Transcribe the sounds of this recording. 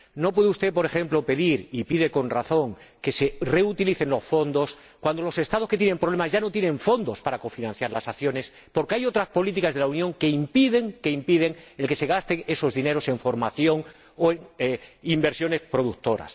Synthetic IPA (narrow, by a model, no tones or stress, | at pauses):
no̞p̬weðust̪e̞po̞ɾe̞xe̞mplo̞pe̞ðiɾipiðe̞ko̞nraθo̞ŋke̞se̞re̞ut̪iliθe̞nlo̞sfo̞nd̪o̞s | kwand̪o̞lo̞se̞st̪að̞o̞ske̞t̪jenempɾoβ̞le̞mazʝano̞t̪jenẽ̞ɱfo̞nd̪o̞spaɾako̞finãnθjaɾlasaθjo̞ne̞s | po̞ɾkeajo̞t̪ɾaspo̞lit̪̬ikazð̞elaunjoŋke̞impiðe̞ŋke̞impiðe̞ŋe̞lke̞se̞ɣ̞ast̪e̞ŋe̞so̞zðine̞ɾo̞se̞ɱfo̞ɾmaθjo̞ŋ | oeŋeimbe̞ɾsjo̞ne̞spɾo̞ðukt̪o̞ɾa̰s